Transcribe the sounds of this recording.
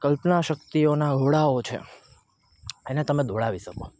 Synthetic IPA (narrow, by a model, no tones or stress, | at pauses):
kəlpnaʃəkt̪ionaɡʱoɽaot͡ʃʰḛ | enet̪əmed̪ʱoɽaʋiʃəko̰